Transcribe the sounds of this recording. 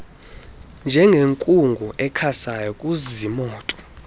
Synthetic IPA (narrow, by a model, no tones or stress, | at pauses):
nd͡ʒʱɛŋɡʱeŋkʼuŋɡʱuʔɛkʰasajɔkʼuzimɔːtʼɔ̥